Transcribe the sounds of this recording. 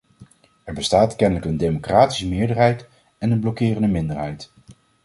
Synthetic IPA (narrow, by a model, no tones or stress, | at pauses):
ɛɹbəstaːtkɛnələkəndejmokraːti̥səmɪːɹdəɹɦɛjt | ɛnənblɔkɪːrəndəmɪndəɹɦɛjt